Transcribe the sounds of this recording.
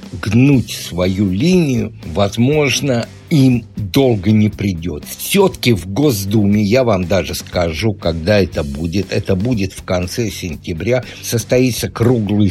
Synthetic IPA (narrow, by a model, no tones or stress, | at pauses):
ɡnutʲsvɐjulʲinʲɪjʊvɐzmo̞ʐnə | imd̪o̞lˠɡənʲɪpɾʲɪdʲo̞t̪sʲot̪ə̥kʲɪvɡozd̪umʲɪjavamd̪aʐɨskɐʐukɐɡ̚d̪aɛt̪əbudʲɪt̪ɛt̪əbudʲɪt̪fkɐnt̪sɛsʲɪnʲtʲɪbɾʲa | səst̪ɐit̪səkɾuɡlˠɨj